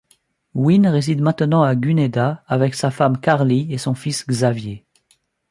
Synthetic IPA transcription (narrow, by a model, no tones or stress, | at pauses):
winʁezid̪mɛ̃t̪nɑ̃aɡyned̪aːvɛksafamkaʁliesɔ̃fisɡzavje